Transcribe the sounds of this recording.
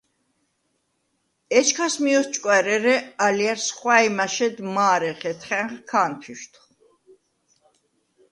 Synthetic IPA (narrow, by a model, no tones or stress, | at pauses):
ɛt͡ʃʰkʰasmiɔst͡ʃʼkʼwɛɾɛɾɛaliaɾsχwaimaʃɛd̪maːɾɛχɛt̪ʰχɛχkʰanpʰiʃt̪ʰ